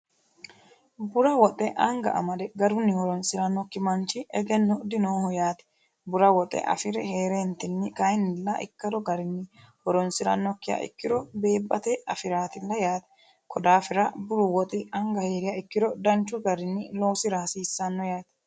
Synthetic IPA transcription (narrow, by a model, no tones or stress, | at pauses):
bʊɾɐwɔt̪ʼɛʔɐŋɡɐ̰ʔɐ̰mɐd̪ɛɡɐɾʊnːɪwɔɾɔnsɪɾɐnːɔkːɪmɐnt͡ʃɪʔɛɡɛnːɔd̪ɪnoːhɔjaːt̪ɛ̥ | bʊɾɐwɔt̪ʼːɛ̰ʔɐ̰fɪɾɛheːɾeːnt̪ɪnːɪkɐjnːɪlːɐʔɪ̰kːɐd̪ɔɡɐɾɪnːɪ | wɔɾɔnsɪɾɐ̰nːɔkːɪja̰ʔɪ̰kːɪɾɔbe̞ːbːɐt̪ɛɐfɪɾaːt̪ɪlːɐjaːt̪ɛ̥ | kʰɔd̪aːfɪɾɐbʊɾʊwɔt̪ʼɪɐŋɡɐhe̞ːɾɪjaɪkːɪɾɔd̪ɐnt͡ʃːʊɡɐɾɪnːɪlo̞ːsɪɾaːsiːsːɐnːɔjaːt̪ɛ̥